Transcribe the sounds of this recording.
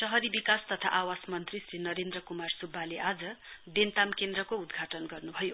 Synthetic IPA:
sʌɦʌɾibikast̪ʌt̪ʰa̰ʔawasmʌnt̪risrinʌɾend̪rʌkumarsubːaleʔad͡zʌb̪ent̪amkend̪ɾʌkoud̪ɡʱaʈʌnɡʌrnubʱʌjo

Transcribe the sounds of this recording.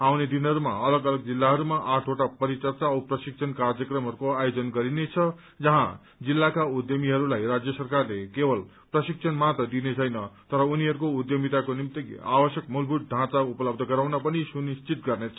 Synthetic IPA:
awned̪inɦʌɾuma̰ʌlʌɡʌlʌɡ̚d͡zilːaɦʌɾumaʔaʈʰoʈapʌɾit͡sʌrt͡sawprʌsik̚t͡sʰʌnkarjʌkrʌmɦʌɾukoajod͡zʌnɡʌɾinet͡sʰʌ | d͡zʌɦã̰ | d͡zilːakaud̪jʌmiɦʌɾulajrad͡zjʌsʌrkarlekebʌl | prʌsik̚sʰʌnmat̪ʌd̪inet͡sʰʌjnʌt̪ʌɾʌuniɦʌɾukoud̪jʌmit̪akonimt̪ia̰bʌsjʌkmulbʱut̪̚ɖʱãt͡saupʌlʌb̚d̪ʱʌɡʌɾawnʌpʌnisunist͡sit̪ɡʌrnet͡sʰʌ

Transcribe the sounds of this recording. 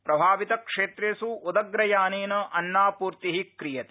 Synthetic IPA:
pɾɐbʱaːʋit̪ɐkʂeːt̪ɾeːsuud̪ɐɡɾɐjaːneːnɐʔɐnːaːpuːɾt̪iɦikɾijɐt̪e

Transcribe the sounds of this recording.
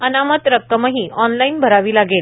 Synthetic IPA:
ənamət̪ɾək̚t̪ːəməɦĩːʔɔnlainbʱəɾaʋiːlaɡel

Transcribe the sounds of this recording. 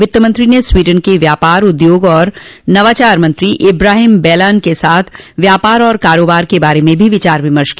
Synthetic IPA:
ʋɪt̪ːəmə̃nt̪ɾineswiːɖənkeʋjaːpaːɾʊd̪joːɡɔːɾnɐʋaːt͡ʃaːɾmɐ̃nt̪ɾiʔɪbɾaːɦɪmbɛːlaːnkesaːt̪ʰʋjaːpaːɾɔːɾkaːɾoːbaːɾkebaːɾemẽbʱiʋɪt͡ʃaːɾʋɪməɾʃki

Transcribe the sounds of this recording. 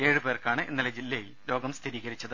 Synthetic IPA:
e̞ːɻɨpeːrkaːɳɨʔenːɐlɐd͡ʑilːeji | lo̞ːɡɐmst̪ʰiɾiːɣɐɾit͡ɕːɐðɨ

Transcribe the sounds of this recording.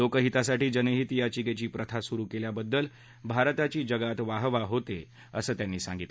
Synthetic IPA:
okəɦit̪asaʈiːd͡ʑənəɦit̪jat͡ɕiɡet͡ɕiːpɾət̪ʰasuɾuːkeljabəd̪ːəl | bʱaɾt̪at͡ɕiːd͡ʑəɡat̪ʋaɦʋaɦot̪e | ə̰səːt̪janːiːsã̰ŋɡit̪l

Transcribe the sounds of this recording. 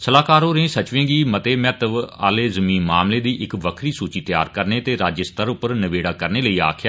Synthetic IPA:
səlaːkaːɾõːɾẽːsət͡ʃʋẽːɡiːmət̪eːmɛːt̪əʋa̰ːleːzəmiːnmaːmleːd̪iːʔɪkʋəkʰɾiːsuːt͡ʃiːt̪ja̰ːɾkəɾneːt̪eːɾaːd͡ʒəst̪əɾʊpːəɾnəʋeːɽaːkəɾneːləiːa̰ːkʰjaː

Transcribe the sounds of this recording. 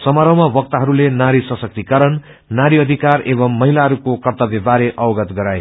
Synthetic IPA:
sʌmʌɾʌwmabʌk̚t̪aɦʌɾulenaɾisʌsʌk̚t̪ikʌɾʌn | naɾiʌd̪ʱikarebʌmːʌɦilaɦʌɾukokʌrt̪ʌbjebaɾeʔʌwɡʌt̪ɡʌɾaj

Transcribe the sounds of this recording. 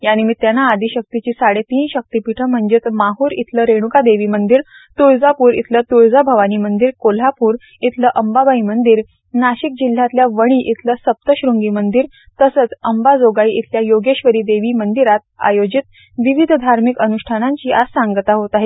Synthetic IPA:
janimiːt̪janaːd̪iɕək̚t̪it͡ɕiːsaɽet̪iːnɕək̚t̪ipiʈʰəm̤əɳd͡ʑit̪maɦuɾḭt̪ʰləɾeɽ̃ukad̪eʋiːmənd̪iːɾ | t̪uɭd͡zapuːɾḭt̪ʰlət̪uɾd͡zabʱəʋaniːmənd̪iːɾkol̤apuːɾ | it̪ʰləʔəmbabaimənd̪iɾ | naɕik̚d͡ʑil̤ːat̪ljaʋəɽ̃iːʔit̪ʰləsəp̚t̪əɕɾuŋɡiːmənd̪iːɾ | t̪əsət͡səmbad͡zoɡaiʔit̪ʰljajoɡeɕʋəɾiːd̪eʋimənd̪iɾat̪̚a̰jod͡ʑit̪ | ʋiʋid̪ʱd̪ʱaɾmikənuɕʈʰanãɲt͡ɕiːʔad͡zsaŋɡət̪aɦot̪aɦe

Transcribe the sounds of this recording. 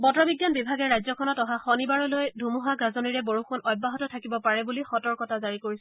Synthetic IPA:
bɔtɹɔbiɡjanbibʱaɡɛɹajzɔkʰɔnɔtɔɦaxɔnibaɹɔlojdʱumuɦaɡazoniɹɛboɹuxunɔjbːaɦɔtɔtʰakibɔpaɹɛbulixɔtɔɹkɔtʰazaɹikoɹisɛ

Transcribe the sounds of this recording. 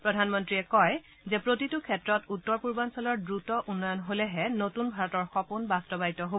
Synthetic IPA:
pɹɔdʱanmɔntɹiɛkɔj | zɛpɹotitukʰɛtɹɔtutːɔɹpuɹbansɔlɔɹdɹutɔʔunːɔjɔnɦolɛɦɛnotunbʱaɹɔtɔɹxɔpunbastɔbaitɔɦo

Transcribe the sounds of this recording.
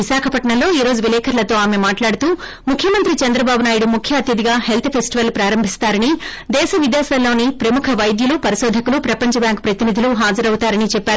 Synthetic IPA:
ʋiʃaːkʰɐpɐʈɳɐlːo̞ːiːɾo̞ːd͡ʒuʋilɛːkʰɐɾlɐt̪o̞ːaːmemaːʈlaːɽut̪uː | mukʰjɐmɐnt̪ɾit͡ʃɐnd̪ɾɐbaːbunaːjiɽumukʰjɐɐt̪jɐd̪iɡaːɦe̞lt̪ʰpʰesʈiʋɐlpɾaːɾɐmbʱist̪aːɾɐnid̪ɛːʃɐʋid̪jaːsɐlːo̞ːnipɾɐmukʰɐʋɐjd̪julupɐɾiʃɔːd̪ʱɐkulupɾɐpɐɲt͡ʃɐbjaːŋkpɾɐt̪inid̪ʱiluɦaːd͡ʒɐɾɐwut̪aːɾɐnit͡ʃɛpːaːɾu

